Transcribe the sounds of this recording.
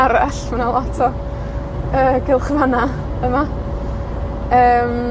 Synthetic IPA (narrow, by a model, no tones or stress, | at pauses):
aɾaɬmanalˠɔtʰɔ | əːɡɪlˠχvana | əma | əːm